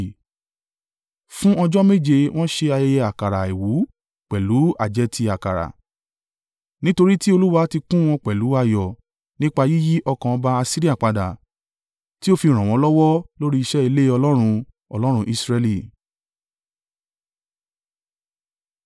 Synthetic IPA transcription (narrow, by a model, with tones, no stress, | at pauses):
fũ˦ɔ˧d͡ʒɔ˦me˦˨d͡ʒe˧w̃ɔ̃˦ʃe˧a˧jɛ˧jɛ˧a˨ka˨ɾa˨e˨wu˨˦ | k͡pɛ˨lu˨˦a˨d͡ʒɛ˧ti˧a˨ka˨ɾa̰˨ | nĩ˦to˧ɾi˦ti˦o˧lu˦wa˧˦ti˧kũ˦w̃ɔ̃˧k͡pɛ˨lu˨˦a˧jɔ˨ | nĩ˦k͡pa˧ji˦ji˦ʔɔ˧kã˨ɔ̃˧ba˦a˧si˦ɾi˦a˦˨k͡pa˨da̰˨ | ti˦o˦fi˧ɾ̃ã˨w̃ɔ̃˨˦lɔ˦wɔ˦lo˦ɾi˦i˧ʃɛ˦i˧le˦ɔ˧lɔ˦ɾ̃ũ˧ | ɔ˧lɔ˦ɾ̃ũ˧ʔi˧sɾɛ˧li˦˨